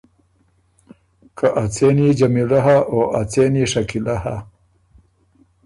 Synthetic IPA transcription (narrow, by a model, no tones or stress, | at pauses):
kaʔat͡senid͡ʒamilaɦaʔoʔat͡seniʂakilaha̰